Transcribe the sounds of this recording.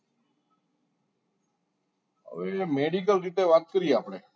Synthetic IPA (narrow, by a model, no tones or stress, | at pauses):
ə̰ʋeːmeːɖiːk̬əlɾiːt̪eːʋaːt̪̚kəɾiːeaːpɳeː